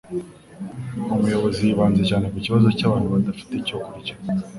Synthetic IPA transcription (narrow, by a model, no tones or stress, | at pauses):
umujo̞βo̞zijiβaːnze̞caːne̞kuciβazo̞caːβaːnhuβad̪afi̥tecokuɾicḁ